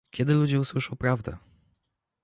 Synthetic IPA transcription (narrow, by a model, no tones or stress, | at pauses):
kʲɛd̪ɘlud͡ʑɛuswɘʂɔwpɾavd̪ɛ̰